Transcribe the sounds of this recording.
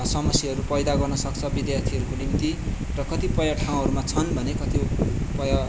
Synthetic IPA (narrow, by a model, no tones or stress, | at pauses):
sʌmʌsjiɦʌɾupʌjd̪aɡʌrnʌsʌk̚t͡sʰʌbid̪jat̪ʰiɦʌɾukolimit̪i | rʌkʌt̪ipʌjaʈʰaw̃ɦʌɾumat͡sʰʌnbʱʌnekʌt̪ipʌja